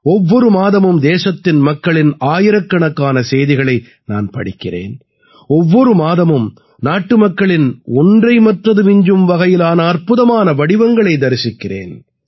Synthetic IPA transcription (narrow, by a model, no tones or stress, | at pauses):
ɔʋːɔɾɯmaːðɐmɯmd̪eːsɐt̪ːɪnmɐkːɐɭɪnaːjɪɾɐkːɐɳɐkːaːnɐseːjðɪɣɐɭɐɪ | na̰ːnpɐ̰ɽɪkːɪrḛːn | ɔʋːɔɾɯmaːðɐmɯm | naːʈːɯmɐkːɐɭɪnɔndrɐɪmɐʈrɐðɯmɪɲd͡ʒɯmʋɐɣɐjɪlaːnɐɐrpɯðɐmaːnɐʋɐɽɪʋɐŋɡɐɭɐɪd̪ɐɾɪsɪkːɪrḛːn